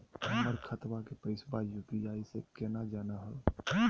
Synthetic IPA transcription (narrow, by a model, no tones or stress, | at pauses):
əməɾkʰət̪ʋakepəɪsbajuːpiaːisekɛːnad͡ʒaːnaɦəl